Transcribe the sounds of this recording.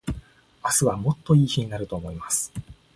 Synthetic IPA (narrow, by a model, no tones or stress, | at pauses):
asɨβamo̞t̪ːo̞iːçiɲ̟inaɾɯ̟t̪o̞ːmo̞imasɨ̥